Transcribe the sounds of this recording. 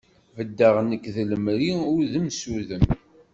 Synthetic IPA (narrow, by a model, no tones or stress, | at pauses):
vəd̪ːaʁnəkːðələmɾiʊɾðəmsuðəm